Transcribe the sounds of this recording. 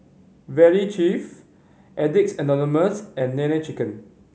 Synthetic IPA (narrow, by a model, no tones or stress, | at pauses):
vɛɹit͡ʃif | ʔɛdik̚sɛnɔniməsɛ̃nːɛ̃nɛt͡ʃikə̃n